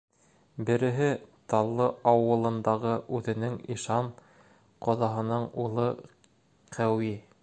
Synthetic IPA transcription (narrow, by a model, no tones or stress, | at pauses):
bɘ̆ɾɘ̆ɦɘt̪ɑlˠːɤɑwɤ̆lˠɤ̆nd̪ɑʁɤʔʉðɘ̆nɘŋiʃɑn | qŏðɑɦɤ̆nɤɴulˠɤ | qʰæwi